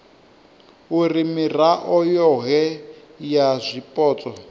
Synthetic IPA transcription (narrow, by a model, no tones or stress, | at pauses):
urimiraʔɔjɔɦɛ | jazʷipʼɔːt͡sʼɔ